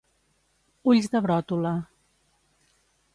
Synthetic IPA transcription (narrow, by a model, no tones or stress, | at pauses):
uʎzðəβɾɔt̪ulə